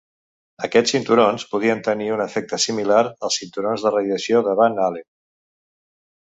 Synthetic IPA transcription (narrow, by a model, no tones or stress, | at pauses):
əkɛt͡ssint̪uɾonspuð̞iənt̪əniunəfɛk̚t̪əsimilaɾəlˠsint̪uɾonzðərəðiəsioðəβanale